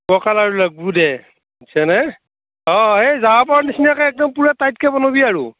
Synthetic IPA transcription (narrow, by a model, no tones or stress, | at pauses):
bɔkalaɹuləɡ̚budɛ | tʰanɛ | ɔezaɦapɔɹnisinakaɛk̚dɔmpuɹɛtajt̚kɛbɔnobiaɹu